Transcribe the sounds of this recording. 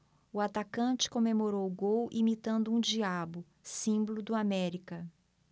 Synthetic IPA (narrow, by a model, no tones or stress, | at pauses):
ʊat̪akɐ̃t͡ʃɪ̥kõmemoɾowɡowʔimit̪ɐ̃nd̪ʊũd͡ʒiabʊ | sĩbʊlʊd̪ʊamɛɾikɐ